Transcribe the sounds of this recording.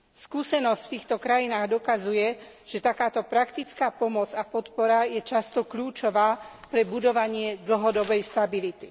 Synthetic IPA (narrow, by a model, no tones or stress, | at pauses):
skuːsɛnɔscft̪iːxt̪ɔkɾajinaːɣd̪ɔkazujɛ | ʒ̥ɛt̪akaːt̪ɔpɾakt̪it͡skaːpɔmɔd͡zapɔt̪pɔɾajɛt͡ʃast̪ɔkʎuːt͡ʃɔʋaːpɾɛbud̪ɔʋaɲɪɛd̪l̩ɦɔd̪ɔbɛjst̪abilit̪i